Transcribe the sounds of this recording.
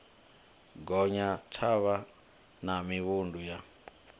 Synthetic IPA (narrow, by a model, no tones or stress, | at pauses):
ɡɔɲatʰaβa | namiβunduja